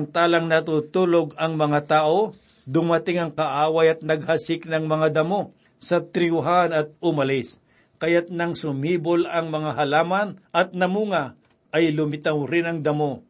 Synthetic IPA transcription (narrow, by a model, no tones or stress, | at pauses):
ɐnt̪aːlɐŋnɐt̪ut̪uloɡɐŋmɐŋat̪aːʔo | d̪ʊmɐt̪ɪŋɐŋkɐʔaːwajɐt̪̚nɐɡ̚hasɪk̚nɐŋmɐŋad̪ɐmo | sɐt̪ɾɪʊɦanɐt̪̚ʊmɐlɪs | kɐjat̪̚nɐŋsʊmhiːbolɐŋmɐŋaɦɐlaːmanʔɐt̪̚nɐmuːŋa | ʔɐjlʊmɪt̪awɾɪnɐŋd̪ɐmo